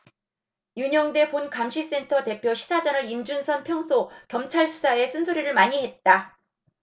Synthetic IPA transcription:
juɲʌŋde̞ponkamɕʰis͈e̞ntʰʌte̞pʰjoɕʰi̥sʰad͡ʑʌnɯɾind͡ʑunsʰʌnpʰjʌŋsʰokjʌmt͡ɕʰaɭsʰu̥sʰae̞sʰɯnsʰoɾiɾɯɭmaɲiɦe̞t̚t͈a

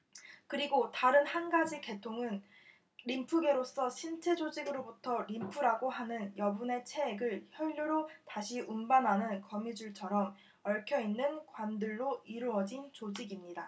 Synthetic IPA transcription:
kɯɾiɡotaɾɯnhanɡad͡ʑike̞tʰoŋɯn | ɾimpʰuɡe̞ɾos͈ʌɕʰint͡ɕʰe̞d͡ʑod͡ʑiɡɯɾobutʰʌɾimpʰuɾaɡoɦanɯnjʌbune̞t͡ɕʰe̞ːɡɯɭçjʌʎːuɾotaɕʰiʔunbananɯnkʌmid͡ʑuɭt͡ɕʰʌɾʌm | ʌɭkʰjʌinːɯnkwandɯɭːoiɾuʌd͡ʑint͡ɕod͡ʑiɡimɲida

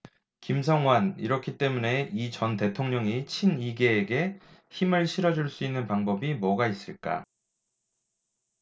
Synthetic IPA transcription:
kimsʰʌŋwaniɾʌkʰit͈e̞mune̞it͡ɕʌnte̞tʰoŋɲʌŋit͡ɕʰiniɡe̞ːɡe̞çimɯɭɕʰiɾʌd͡ʑuɭs͈uinːɯnpaŋbʌbimwʌɡais͈ɯɭk͈a̰

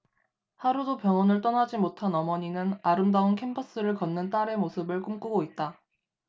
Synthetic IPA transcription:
haɾudopjʌŋʌnɯɭt͈ʌnad͡ʑimotʰanʌmʌɲinɯnaɾɯmdaonkʰe̞mpʰʌs͈ɯɾɯɭkʌnːɯnt͈aɾe̞mosʰɯbɯɭk͈omk͈uɡoit̚t͈a

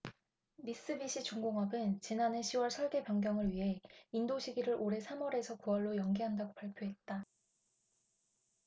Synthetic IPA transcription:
mis͈ɯbiɕ͈ʰit͡ɕuŋɡoŋɦʌbɯnt͡ɕinane̞ɕʰiwʌɭsʰʌɭɡe̞pjʌŋɡjʌŋɯɭɥiɦe̞indoɕʰiɡiɾɯɾʔoɾe̞sʰamʌɾe̞sʰʌkuwʌɭːojʌŋɡiɦandaɡopaɭpʰjoɦe̞t̚t͈a

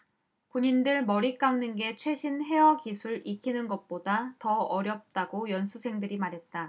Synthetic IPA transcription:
kuɲindɯɭmʌɾik͈aŋnɯnɡe̞t͡ɕʰwe̞ɕʰinɦe̞ʌkisʰuɭikʰinɯnɡʌt̚p͈odatʌʌɾjʌp̚t͈aɡojʌnsʰusʰe̞ŋdɯɾimaɾɦe̞t̚t͈a

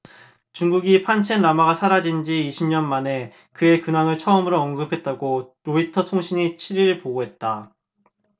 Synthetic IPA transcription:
t͡ɕuŋɡuɡipʰant͡ɕʰenɾamaɡasʰaɾad͡ʑind͡ʑiːɕʰimɲʌnmane̞ | kɯe̞kɯnaŋɯɭt͡ɕʰʌɯmɯɾoʌŋɡɯpʰe̞t̚t͈aɡoɾoitʰʌtʰoŋɕʰiɲit͡ɕʰiɾiɾɭpoɡoɦe̞t̚t͈a

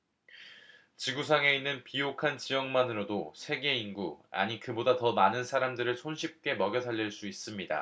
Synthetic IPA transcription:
t͡ɕiɡus̬ʰaŋe̞inːɯnpijokʰant͡ɕijʌŋmanɯɾodosʰe̞ɡe̞inɡua̰ɲikɯbodatʌmanɯnsʰaɾamdɯɾɯɭsʰonɕʰip̚k͈e̞mʌɡjʌsʰaʎːiɭs͈uis͈ɯmɲida̰

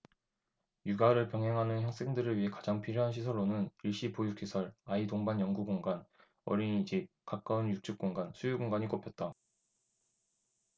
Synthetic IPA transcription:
juɡaɾɯɭpjʌŋɦeŋɦanɯnçjaŋs͈ʰe̞ŋdɯɾɯɭɥiɦe̞kḁd͡ʑaŋpʰiɾjoɦanɕʰisʰʌɭːonɯniɭɕ͈ipojukɕ͈ʰisʰʌɭaidoŋbanjʌŋɡuɡoŋɡan | ʌɾiɲid͡ʑip̚kak͈aɯnjuk̚t͡ɕ͈ʰuk̚k͈oŋɡansʰujuɡoŋɡaɲik͈opʰjʌt̚t͈a

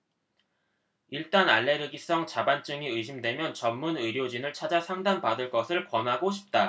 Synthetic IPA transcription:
iɭt͈anaɭːe̞ɾɯɡis͈ʌŋt͡ɕabant͡ɕ͈ɯŋiɯɕʰimdwe̞mjʌnt͡ɕʌmːunɯɾjod͡ʑinɯɭt͡ɕʰad͡ʑasʰaŋdanpadɯɭk͈ʌsʰɯɭpwʌnɦaɡoɕʰi̥p̚t͈a

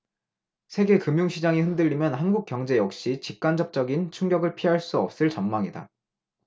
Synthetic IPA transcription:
sʰe̞ɡe̞kɯmjuŋɕʰid͡ʑaŋihɯndɯʎːimjʌnhanɡuk͈jʌŋd͡ʑe̞jʌk̚ɕ͈it͡ɕip̚k͈and͡ʑʌp̚t͡ɕ͈ʌɡint͡ɕʰuŋɡjʌɡɯɭpʰiɦaɭs͈uʌp̚s͈ɯɭt͡ɕʌmmaŋida̰

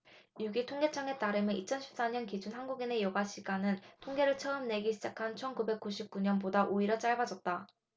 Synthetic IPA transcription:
juɡitʰoŋɡe̞t͡ɕʰaŋe̞t͈aɾɯmjʌit͡ɕʰʌnɕʰi̥p̚s͈aɲʌnkid͡ʑunɦanɡuɡine̞jʌɡaɕʰiɡanɯntʰoŋɡe̞ɾɯɭt͡ɕʰʌɯmne̞ɡiɕʰid͡ʑakʰant͡ɕʰʌnkube̞k̚k͈uɕʰip̚k͈uɲʌnpodaʔoiɾʌt͡ɕ͈aɭbad͡ʑʌt̚t͈a

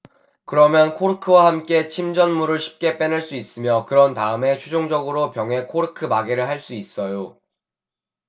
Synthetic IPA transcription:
kɯɾʌmjʌnkʰoɾɯkʰɯwahamk͈e̞t͡ɕʰimd͡ʑʌnmuɾɯɭɕʰi̥p̚k͈e̞p͈enɯɭs͈uis͈ɯmjʌkɯɾʌntaɯme̞t͡ɕʰud͡ʑoŋd͡ʑʌɡɯɾopjʌŋɦe̞kʰoɾɯkʰɯmaɡeɾɯɭɦaɭs͈uis͈ʌjo

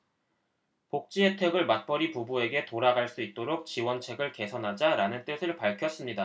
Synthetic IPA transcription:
pok̚t͡ɕ͈ietʰeɡɯɭmat̚p͈ʌɾipubue̞ɡe̞toɾaɡaɭs͈uit̚t͈oɾok̚t͡ɕiwʌnt͡ɕʰe̞ɡɯɭke̞sʰʌnɦad͡ʑaɾanɯnt͈ɯsʰɯɭpaɭkʰjʌs͈ɯmɲida

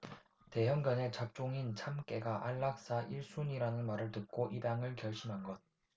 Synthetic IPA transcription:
te̞jʌŋɡjʌne̞t͡ɕap̚t͡ɕ͈oŋint͡ɕʰamk͈e̞ɡaʔaɭːak̚s͈aʔiɭs͈uɲiɾanɯnmaɾɯɭtɯk̚k͈oʔibaŋɯɭkjʌɭɕ͈ʰimɦanɡʌt̚

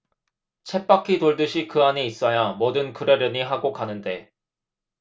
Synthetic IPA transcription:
t͡ɕʰe̞p͈akʰitoɭdɯɕʰikɯaɲiːs͈ʌjamʌdɯnkɯɾeɾjʌɲiɦaɡokanɯnde̞

